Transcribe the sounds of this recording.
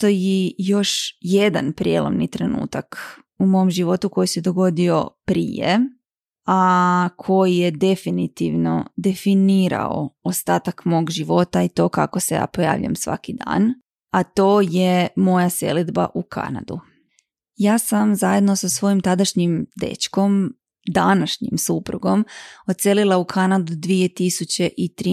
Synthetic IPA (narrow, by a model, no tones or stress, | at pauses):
t̪ojijo̞ʃje̞d̪a̰npɾijḛlˠo̰mnit̪ɾe̞nṵːt̪ak | umo̞omʒiʋo̞t̪uko̞jise̞d̪o̞ɡo̞d̪io̞̰pɾḭjḛ | akʰo̞jije̞d̪e̞finit̪iʋno̞̰d̪e̞finiːɾa̰o̞ost̪aːt̪akmo̞ːɡʒiʋo̞t̪ait̪o̞ːka̰koseja̰ːpoja̰ːʋʎ̰a̰msʋa̰kid̪a̰ːn | at̪o̞ːje̞mo̞jase̞̰lid̪ba̰ʔukʰa̰na̰d̪u | jaːsamzaje̞d̪no̞sasʋo̞jimt̪ad̪aʃɲimd̪ḛt͡ʃko̞m | d̪anaʃɲimsupɾuɡo̞mo̞t̪se̞lilˠaukʰanad̪ud̪ʋije̞t̪isut͡ɕe̞ʔit̪ɾi